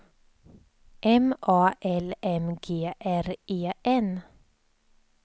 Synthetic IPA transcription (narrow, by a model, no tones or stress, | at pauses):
ʔɛmʔɑːʔɛlɛmɡeːʔæɾʔeːʔɛn